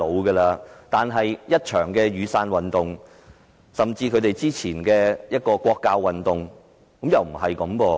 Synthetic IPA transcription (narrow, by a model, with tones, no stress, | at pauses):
o˨˧wɡɐː˧laː˧t̪aː˨nɦɐ˨jjɐ˥t̚t͡ʃʰœː˨˩ŋkɛː˧ɥyː˨˧saː˧nwɐ˨nt̪ʊ˨ŋ | sɐ˨mt͡siː˧kʰɵ˨˧ɥt̪e˨jt͡siː˥t͡sʰiː˨˩nkɛː˧jɐ˥t̚kɔː˧kʷɔː˧kːaː˧wːɐ˨˩nt̪ʊ˨ŋ | kɐ˨˥mjɐ˨wm̩˨˩ɦɐ˨jkɐ˨˥mkɔː˧